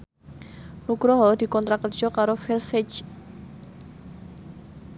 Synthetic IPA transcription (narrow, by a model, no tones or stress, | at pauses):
nukɾɔɦɔd̪̥i̤kɔnt̪ɾakər̥ʒ̥ɔ̤kaɾofɛrsɛt͡ʃ